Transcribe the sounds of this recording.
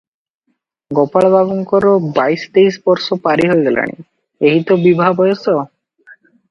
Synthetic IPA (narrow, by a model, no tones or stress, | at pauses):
ɡɔpaɭbʱaɡɔŋkɔɾɔbajst̪eisbɔɾsɔpaɾiɦojɡɛla̰ɽ̃ḭ | eɦit̪obibʱabɔjɔsɔ